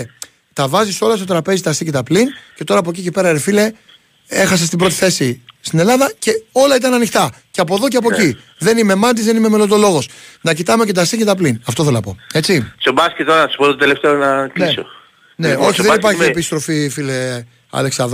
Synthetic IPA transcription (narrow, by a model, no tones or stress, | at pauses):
t̪ɐvɐziso̞lɐst̪o̞t̪ɾɐpe̞zit̪ɐsicet̪ɐplince̞t̪o̞ɾɐːp̬o̞c̬icipe̞ɾɐeɾefile̞ | e̞xɐs̬ɐst̪ibɾo̞t̪i̥θe̞sist̪ine̞lɐðɐce̞o̞lɐit̪ɐnɐnixt̪ɐ | ceɐpo̞ðo̞ceɐp̬o̞i | ðe̞nime̞mɐnt̪̬izðenime̞melod̪o̞lo̞ɣo̞snɐcit̪ɐmecet̪ɐsicet̪ɐplinɐft̪o̞θelonɐpo̞̰e̞t͡sisobɐscet̪ːoɾɐnɐsu̥pot̪ot̪eleft̪eonɐkiso̰ | neo̞çiðenipɐɾçimiepist̪ɾo̞fifile | ɐ̰leksɐðo